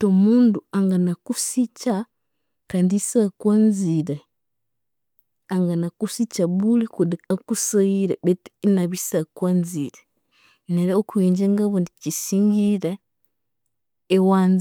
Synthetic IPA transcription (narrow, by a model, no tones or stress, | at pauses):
tomuːnduaŋɡanakusica | kaːndiisakwaːnziɾe | aŋɡanakusicaβulikudiakusaiɾeβetnaβisakwanziɾe | neɾeokuiːɲd͡ʒeŋɡaβondicisiːŋɡiɾe | waːnz